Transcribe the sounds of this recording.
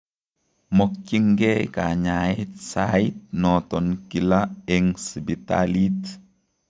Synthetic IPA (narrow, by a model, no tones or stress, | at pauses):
mok̚t͡ʃiŋɡekaɲaitsait̚nɔtɔnkilaɛŋsibita̰lit